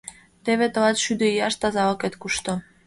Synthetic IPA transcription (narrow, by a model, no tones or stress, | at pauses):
t̪eβet̪ɤ̆lɑt̪ʃyd̪eijɑʃt̪ɑzɑoket̪kuʃt̪ɤ̆